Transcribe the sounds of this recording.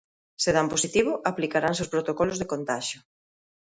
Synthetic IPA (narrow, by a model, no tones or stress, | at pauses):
seð̞amposit̪iβ̞oʔaplikaɾanseospɾot̪okɔlozðekont̪aʃjo